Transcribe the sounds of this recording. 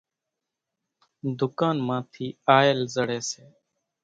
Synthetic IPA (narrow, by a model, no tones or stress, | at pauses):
d̪ʊkaːnmãːt̪ʰiːaːelzəɽeːseː